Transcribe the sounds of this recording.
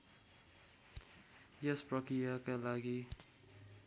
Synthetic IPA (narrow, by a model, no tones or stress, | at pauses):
jespɾʌkɾijakalaɡi